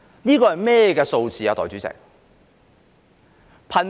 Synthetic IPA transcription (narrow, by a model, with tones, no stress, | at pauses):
niː˥kɔː˧hɐ˨˩jmɛː˥jɛ˨˧kɛː˧so˧wt͡siː˨jaː˨˧t̪ɔː˨˩t͡sy˨˥t͡sɪ̰˨˩k̚ | pʰɐ˨˩n